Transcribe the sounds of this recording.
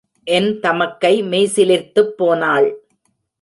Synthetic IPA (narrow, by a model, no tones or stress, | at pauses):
ʔɛnt̪ɐmɐkːɐɪmeːsɪlɪɾt̪ɯpːoːnaːɭ